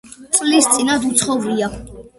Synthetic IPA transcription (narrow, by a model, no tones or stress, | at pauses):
t̪sʼlist̪sʼinad̪ut̪sʰχɔvɾia